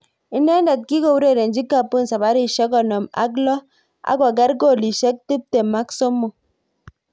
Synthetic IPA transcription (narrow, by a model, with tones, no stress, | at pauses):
i˦nɛ˦ndɛ˨t̚ki˦ko˨wu˦ɾe˦˨ɾe˨nd͡ʒi˦kːa˦˨pːo˦nsa˨ba˨˦ɾi˦˨ʃɛ˦kɔ˨nɔ˨ma̰˦k̬lɔ˦ | a̰˦kɔ˨ɡɛ˦ɾko˦˨li˨ʃɛ˦k̚ti˦p̚te˨ma˦kso˦mːo˨